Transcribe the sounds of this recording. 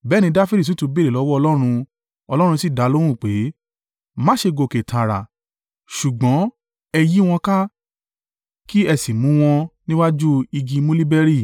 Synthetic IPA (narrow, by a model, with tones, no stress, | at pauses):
bɛː˦nĩ˧˦da˦fi˦ɾi˦˨s̬u˨˦tũ˨˧be˦le˨ɔ˨˦wɔ˦ɔ˧lɔ˦ɾ̃ũ˧ | ɔ˧lɔ˦ɾ̃ũ˧si˦˨da˨˦lo˦ɾ̃ũ˦˨k͡pe˨˦ | mã˦ʃe˧ɡo˧˨ke˨tʰa˨ɾa̰˨ | ʃu˨ɡ͡bɔ̃˨˦ | ɛ˧ji˦w̃ɔ̃˧ka˦ | ki˦ɛ˧si˨mũ˨˦w̃ɔ̃˧nĩ˦wa˦d͡ʒu˦i˧ɡĩ˧mũ˦li˦bɛ˧ɾi˦˨